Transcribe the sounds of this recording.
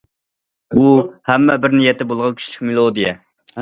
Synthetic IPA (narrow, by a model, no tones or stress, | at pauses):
uhæmːɛbɪɾnijɛt̪ːɛbolˠʁɑnkʲʰy̥ʃilʲɪkʲmelˠod̪ijɛ